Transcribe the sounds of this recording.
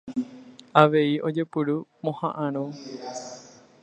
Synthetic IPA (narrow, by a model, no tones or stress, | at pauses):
aʋe̞iʔo̞d͡ʒepɨɾumõhãʔãɾ̃ũ